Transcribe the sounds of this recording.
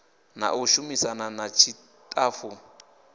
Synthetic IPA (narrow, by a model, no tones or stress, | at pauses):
na̰ʔuʃumisananat͡ʃʰi | tʰʼaːfu